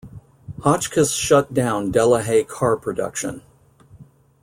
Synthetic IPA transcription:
hɑt͡ʃkʰɨsʃʌt̚d̥ãʊ̃ndɛlˠəɦeɪkʰɑɹpʰɹ̥ɨdʌ̰kʃɨ̰̃n

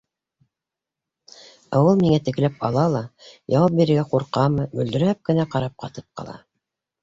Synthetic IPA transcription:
ɑwɤlˠmiŋæt̪ɘ̆klæp̚ɑ̰lˠɑlˠɑjɑwɑp̚biɾɘ̆ɾɡæquɾqɑmɤbɵ̆ld̪ɵ̆ɾæp̚kɘ̆næqɑɾɑp̚qɑt̪ɤ̥p̚qɑ̰lˠɑ̰

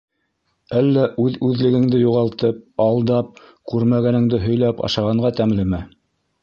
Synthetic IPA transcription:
ælːæʔʉðʉðlɘ̆ɡɘ̆ŋd̪ɘjuʁɑlˠt̪ɤp̚ɑlˠd̪ɑp̚ | kʉɾmæɡænɘ̆ŋd̪ɘɦɵ̆jlæpɑ̰ʃɑʁɑɴɢɑt̪æmlɘmæ

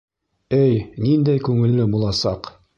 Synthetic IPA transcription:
ɘjnind̪æjkʉŋɘ̆lːɘbulˠɑsɑq

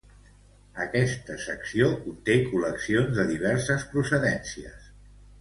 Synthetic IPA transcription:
əkɛst̪əsəksiokunt̪ekuləksionzðəðiβ̞ɛɾsəspɾusəðɛnsiə̰s

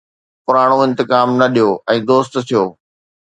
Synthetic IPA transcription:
pʊɾaːɽ̃oɪ̃nt̪ɪkaːmnɐɗijoːɛ̃ːd̪oːst̪t̪ʰijoː

